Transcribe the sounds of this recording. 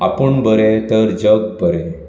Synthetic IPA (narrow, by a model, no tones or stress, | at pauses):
a̰pəɳbəɾet̪əɾd͡ʑəɡ̚bəɾe